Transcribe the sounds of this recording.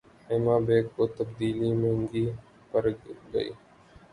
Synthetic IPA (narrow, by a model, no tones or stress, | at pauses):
ɪːmãːbeːkkoːt̪əbd̪iːliːmẽŋɡiː | pəɾɡə̰ḭː